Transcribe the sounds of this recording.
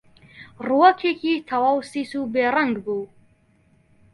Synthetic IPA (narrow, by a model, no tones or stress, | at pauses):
ruɐkʰeːkʰiːt̪ʰɐwaːwsisubeːraŋɡbu